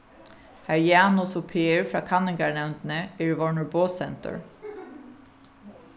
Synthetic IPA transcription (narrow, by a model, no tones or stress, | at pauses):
hæɹjaːnʊsʊpʰeːɹfɹɑːkʰanːɪŋkaɹnɛwnt̪ɪnəɛɹvɔɹɳʊɹboːsɛnt̪ʊ̰ɹ